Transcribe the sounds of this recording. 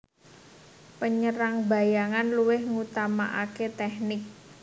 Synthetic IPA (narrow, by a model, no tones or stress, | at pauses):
pəɲəɾaŋba̤jaŋanluwɪhŋut̪amaʔaket̪ɛhnɪk̚